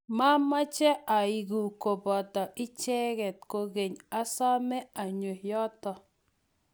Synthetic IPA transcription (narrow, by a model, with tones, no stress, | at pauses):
ma˦ma˦t͡ʃɛ˦a˨i˨ɡu˨ko˨bɔ˨tɔ˨ʔɪ˦t͡ʃɛ˦ɣɛ˨t̚ko˦ɡe˨ɲa˦sa˦mɛ˦a˨ɲo˨hjɔ˦tɔ˨